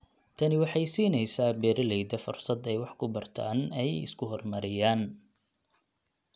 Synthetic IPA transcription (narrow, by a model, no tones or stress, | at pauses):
t̪ʰɐnɪwɑħɑjsiːnɛjsaːbɛːɾɐlɛjd̪ɐfʊrsɐd̪ɛjwɑħkʰʊbɐrt̪ʰa̰ːnɛjɪ̰skʰʊɦɔrmɐɾɪjaːn